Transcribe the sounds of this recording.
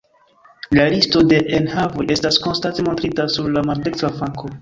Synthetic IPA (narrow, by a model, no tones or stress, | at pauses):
lalisto̞de̞ʔenhavo̞je̞stasko̞nstante̞mo̞ntɾitasuɾlamaɾdektvafaŋkʰo̞